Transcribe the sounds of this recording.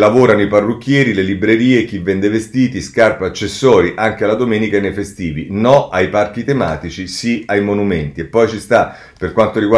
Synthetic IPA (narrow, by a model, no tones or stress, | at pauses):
lavoːɾanoiparːukʲːjɛːɾilelibɾeɾiːek̟ivːɛnd̪evest̪iːt̪iskarpaat͡ʃːesːɔːɾiʔaŋk̟ealad̪omeːnikaenːejfest̪iːvinɔajpark̟it̪ema̰ːt̪it͡ʃisiajmonument̪iepːɔjt͡ʃist̪a | perkwant̪oɾiɡwa